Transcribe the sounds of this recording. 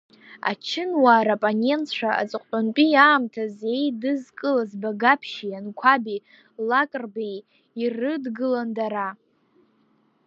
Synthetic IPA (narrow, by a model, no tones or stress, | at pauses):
a̰t͡ʃʰɪnwaːɾapʼone̞ntʰʂʷʰaʔa̰t͡sʼɨqʼtʼonpʼijaːmtʰazejdɨzkʼɨlazbaɡapʰʃijankʷʰabi | lakʼrbej | irɨdɡɨlandaɾa